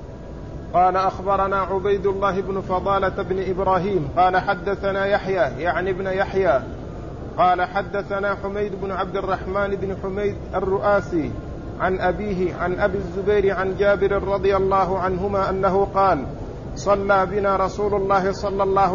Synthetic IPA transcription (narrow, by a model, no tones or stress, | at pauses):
qɑːlaʔaxbɑɾˤɑnaːʕʊbajd̪ʊlˤːaːɦɪbnʊfɑd̪ˤɑːlabnɪʔɪbɾaːɦiːmqɑːlaħad̪ːaθanaːjaħjaːjaʕnɪbnʊjaħjaː | qɑːlaħad̪ːaθanaːħʊmajd̪ʊbnʊʕabd̪arˤːɑħmaːnɪbnʊħʊmajd̪ʔarːʊʔaːsiː | ʕanʔabiːɦɪʕanʔabiːazːʊbajɾɪʕand͡ʒaːbɪɾɪɾˤɑd̪ˤɨjalˤːɑːɦʊʕanɦʊmaːʔanːaɦʊqɑːl | sˤɑlːaːbɪnaːɾˤɑsuːlʊlˤːɑːhɪsˤɑlːɑlˤːɑːh